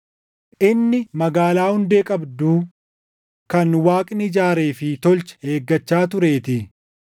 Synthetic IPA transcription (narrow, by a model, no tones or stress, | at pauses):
ʔɪnːɪmɐɡaːlaːhʊnd̪eːkʼɐbd̪uː | kɐnwaːkʼnɪd͡ʒaːɾe̞ːfɪt̪ɔlt͡ʃɛ̥he̞ːɡːɐt͡ʃːaːt̪ʊɾe̞ːt̪ɪ